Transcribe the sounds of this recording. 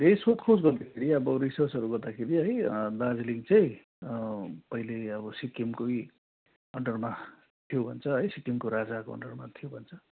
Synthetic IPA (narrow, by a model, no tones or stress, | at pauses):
rejsot̪kʰosɡʌrd̪akʰeɾiʌbʌrisʌrt͡sʌɾuɡʌrd̪akʰeɾiɦʌjd̪ad͡zliŋt͡sʌj̃ | pʌileʌbʌsikimkoj | ɦʌɳɖʌrma | t̪ʰijobʱʌnt͡sʰʌɦʌjsikimkoɾad͡zakoɦʌ̰ɳɖʌrmat̪ʰijobʱʌnt͡sʰʌ